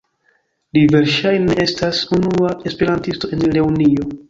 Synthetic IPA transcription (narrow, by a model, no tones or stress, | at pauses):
live̞ɾʃajnee̞stasunuae̞spe̞ɾantisto̞e̞nle̞unio̞